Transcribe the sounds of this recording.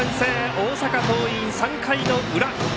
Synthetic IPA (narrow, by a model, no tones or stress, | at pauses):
ʌnseɔsʰakatoisaŋkʰainouɾa